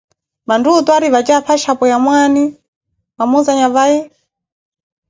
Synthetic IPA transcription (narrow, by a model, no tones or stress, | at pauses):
mandutɔaɾiβat͡ʃaɸʰaʃapɔjamwani | mamuzaɲaβajɛ